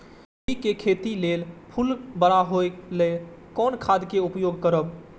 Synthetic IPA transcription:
ikekʰet̪ilelpʰulbəɽ̃aɦoele | kɔːnkʰad̪ʱkeupjoɡkəɾəb

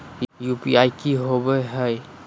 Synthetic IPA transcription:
jupiajkiɦobəɦəj

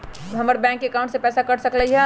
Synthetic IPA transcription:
ɦɐməɾbɛ̃ːŋkːekãʊɳʈsepɛːsakɐɽsəkləɦɛ̃

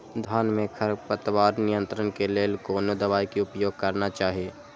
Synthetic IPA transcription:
d̪ʱaːnmẽkʰəɾpət̪waːɾnɪjə̃nt̪ɾənkeleːlkoːnod̪əʋaːikiʊpjoːɡ̚kəɾnat͡ʃaːɦieː

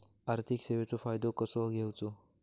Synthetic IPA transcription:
aɾt̪ʰikseʋet͡sopʰaːjd̪okɔsoɡʱewt͡so

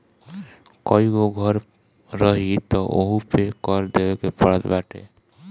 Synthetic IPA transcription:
kɔiɡoɡʱɔɾ | ɾəɦit̪ɔʔo̰ɦũpekɔɾd̪ebekepəɽət̪baʈḛ

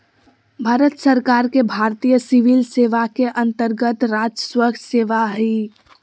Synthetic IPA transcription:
bʱaːɾət̪səɾkaːɾkebʱaːɾt̪ijəsiʋilseːʋakeʔə̃nt̪əɾɡət̪ɾaːd͡ʒəswəkseːʋaɦi

